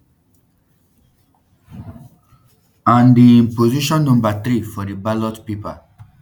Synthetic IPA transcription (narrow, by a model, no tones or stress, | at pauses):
ãnd̪inpoziʃɔ̃nːũmbat̪ɾifɔɾibalɔtpipa̰